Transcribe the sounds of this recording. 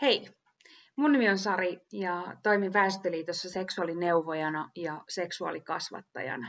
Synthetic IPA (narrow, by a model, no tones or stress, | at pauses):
hei | munːymionsɑrijɑt̪o̞imipæːst̪eliːt̪osːɑse̞ksuɑlineuʋojɑnɑjɑse̞ksuɑ̰likɑsʋɑ̰t̪ːɑ̰jɑ̰nɑ